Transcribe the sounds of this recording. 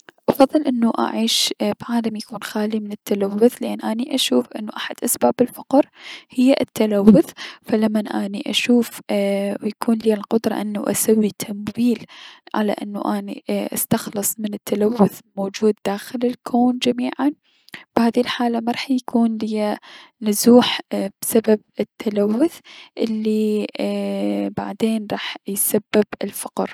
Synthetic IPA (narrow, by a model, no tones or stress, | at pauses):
ʔɑfɑðˤːɨlʔɪnːuʔa̰ʕiːʃbʕaːlamjakuːnxaːlimɪnɪt̪ʰːalawːʊθlɪʔanːʔaːniʔaʃuːfʔɪnːuʔaħad̪ʔasbaːbɪlfʊqɾhɪjːaʔɪt̪ːalawːʊθfalamːanʔaːniʔaʃuːfwjakʰuːnliːalqʊd̪ɾˤɑ̰ʔɪnːuʔa̰sawːit̪ʰamwiːlʕa̰la̰ʔɪ̰nːṵʔaːnḭʔa̰st̪ɑxlɨsˤmɪnɪt̪ːalawːʊθmoːd͡ʒuːd̪ːaːxɪlɪlkʰoːnd͡ʒamiːʕan | b̥haːðilħaːlamaɾˤɑːħjakʰuːnlɪjanʊzuːħb̥sabab̚ɪt̪ʰːalawːʊθʔɪlːi | ba̰ʕd̪eːnɾˤɑːħjsabːɪbɪlfaqɾ